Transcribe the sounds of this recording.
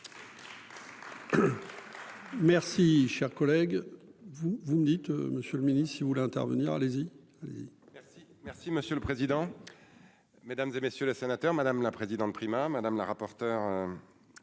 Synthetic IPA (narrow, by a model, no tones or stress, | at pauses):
mɛʁsiʃɛʁkɔlɛɡvuvuməd̪it̪məsjøləminisivulɛɛ̃t̪ɛ̰ʁvə̰niʁa̰lezi | alḛzḭɛi | mɛʁsiməsjøləpχezid̪ɑ̃ | med̪amzemesjølesenat̪œʁmad̪amlapχezid̪ɑ̃t̪̚pχimamad̪amlaʁapɔʁt̪œʁø